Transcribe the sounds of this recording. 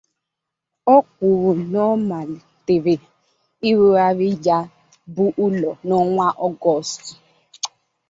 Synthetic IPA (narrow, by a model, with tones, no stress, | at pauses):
ɔ˦kʷu˨ɾu˨nɔ˦ma˨lte˨ɾe˨ | i˦ɾu˦a˨ɾi˦d͡ʒa˦ | bu˦ʔu˦lɔ˨nɔ˦ŋʷa˦ʔɔ˦ɡɔ˦˨sti˨